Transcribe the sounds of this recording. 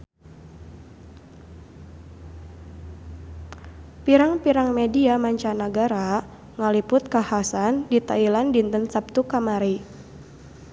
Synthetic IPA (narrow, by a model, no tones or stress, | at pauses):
piɾaŋpiɾaŋmediamaɲt͡ʃanaɡaɾa | ŋalipʊt̪̚kahasandit̪ailandint̪ənsap̚t̪ukamaɾi